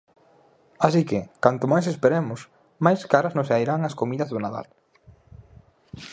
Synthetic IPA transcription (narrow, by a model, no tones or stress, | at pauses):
asikɪkant̪ʊmajsespeɾemʊs | majskaɾɐznʊsajɾaŋɐskomiðɐzðʊnaða̰l